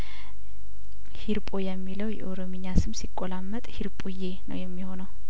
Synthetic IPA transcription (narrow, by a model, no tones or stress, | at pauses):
hiɾpʼojɛmːiləwjɛ̰ʔoɾomiɲːasɨmsikʼːolamːət̪ʼhiɾpʼuje̞nə̰wjɛmːiho̞nəw